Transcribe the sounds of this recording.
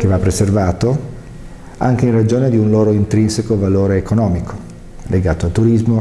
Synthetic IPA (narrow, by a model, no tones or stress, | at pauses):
kevapːɾeservaːt̪o | aŋkeinrad͡ʒoːned̪iunloːɾoint̪ɾinsekovaloːɾeːkonɔːmikʰo̥ | lʔeɡaːt̪oalt̪ːuɾizmo